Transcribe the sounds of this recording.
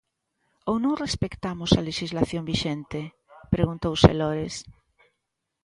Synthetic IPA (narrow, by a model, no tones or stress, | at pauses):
ownõŋrespekt̪amʊsaleʃizlaθjõmbiʃent̪e | pɾeɣunt̪owsḛloɾes